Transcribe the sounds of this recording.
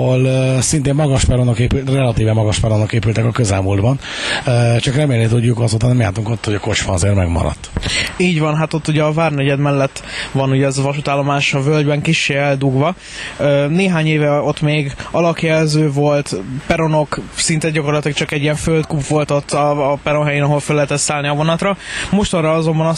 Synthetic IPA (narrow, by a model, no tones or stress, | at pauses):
olsint̪eːmmɒɡɒʃpɛɾonokeːpylrɛlɒt̪iːvɛmːɒɡɒʃpɛɾonokeːpylt̪ɛkɒkøzɛlmuld̪bɒn | øːt͡ʃɒkrɛmeːlːet̪uuɟukɒzoːt̪ɔnɛmjaːt̪uŋkot̪ːhoɟɒko̞t͡ʃʋɒnɒzeːrmɛɡmɒ̰ɾɒ̰t̪ːiːɟʋɒnɦat̪o̞t̪ːuɟɛɒvaːrnɛɟɛd̪mɛlːɛt̪ːvɒnuɟɛːzɒvɒʃut̪aːlːo̞maːʃɒvøld̪bɛŋkiʃːeːɛld̪uɡvɒ | neːɦaːɲeːvɛo̞t̪ːmeːɡɒlɒkjɛlzøːvo̞lt̪pɛɾo̞no̞ksint̪ɛɟɒko̞rlt̪lik̚t͡ʃɒkɛɟːijɛɱfølt̪kupʋo̞lt̪o̞t̪ːɒːpɛɾonɦɛjeːnɒɦo̞lfølːɛɦɛt̪ɛt̪saːlniɒvo̞nɒt̪rɒmo̞ʃt̪ɒrɒɒzo̞mbɒnɒ